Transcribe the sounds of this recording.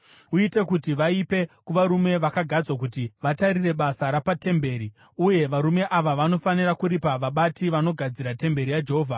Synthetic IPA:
uite̞kutiʋaipe̞kuʋaɾume̞ʋakaɡʱad͡zwak̬utiʋataɾire̞ɓasaɾapate̞mbe̞ɾi | uje̞ʋaɾume̞ʔaʋaʋano̞fanirakuɾipaʋaɓatiʋano̞ɡʱad͡ziɾate̞mbe̞ɾijad͡ʒeɦoːvʱa

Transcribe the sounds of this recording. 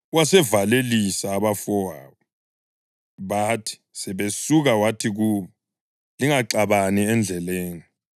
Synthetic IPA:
wasɛvalelisaːβafɔa̰βɔ | βatʰi̥sɛβesuɣawatʰiɣuːβɔ | liŋaǃaβaniɛnd͡ɮʱɛleːni

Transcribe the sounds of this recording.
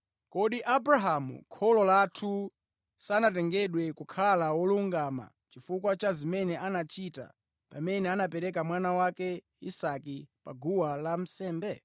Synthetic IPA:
kɔɗiʔabɾaɦamṵkʰɔlɔlatʰu | sanat̬ɛŋɡɛɗwɛkukʰalawɔluŋɡama̰ | t͡ʃifukwat͡ʃazimɛnɛanat͡ʃita̰ | pamɛnɛanapɛɾɛk̬amwanawakɛ | isakipa̰ɡuwalam̩sɛːmbɛ

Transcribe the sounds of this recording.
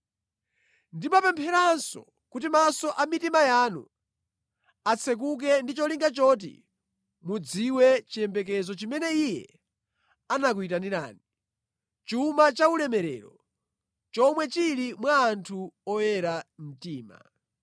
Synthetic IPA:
ndimapɛmpʰɛɾansɔ̰ | kutimasɔʔamitimajaːnṵ | at͡sʰɛk̬uk̬ɛndit͡ʃɔliŋɡat͡ʃɔt̬ḭ | mud͡ziwɛt͡ʃiɛmbɛk̬ɛzɔt͡ʃimɛnɛijɛ̰ | anak̬uitaniɾa̰ːni | t͡ʃumat͡ʃaulɛmɛɾɛ̰ːɾɔ̰ | t͡ʃɔmwɛt͡ʃiɾimwaːntʰuɔjɛɾam̩tiːma̰

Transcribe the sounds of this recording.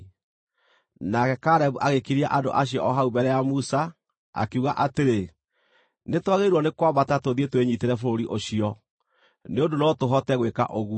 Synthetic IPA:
nakɛkaɾɛβuʔaɣekiɾiaʔando̰ʔaɕiɔʔɔɦaubɛɾɛjamusa | a̰keuɣaʔateɾe | netwaɣeiɾwɔnekwaβatatoðietweɲiteɾɛfoɾoɾiʔoɕiɔ | neondonɔtoɦɔtɛɣweka̰ʔoɣu

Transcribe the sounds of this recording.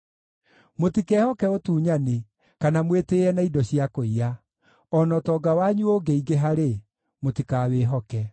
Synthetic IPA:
motikɛhɔkɛotuːɲane | kanamweteɾɛnaidɔɕijakoia | ɔnɔtɔːɡawaɲuoɡeiɡeɦaɾe | motikaːweːɦɔkɛ

